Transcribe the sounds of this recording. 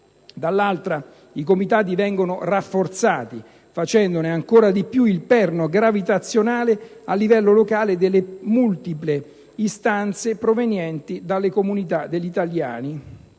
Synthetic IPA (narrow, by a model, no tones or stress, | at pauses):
d̪alːalt̪ɾa | ikomit̪aːt̪̬ivɛŋɡonorafːort̪saːt̪i | fat͡ʃɛnd̪oneaŋkoːɾad̪ipjuilpɛrnoɡɾavit̪at̪sːjonaːlealːivɛlːolokaːled̪elːemult̪iple | ist̪ant̪sepɾovenjɛnt̪id̪alːekomunit̪ad̪eʎːit̪alja̰ːni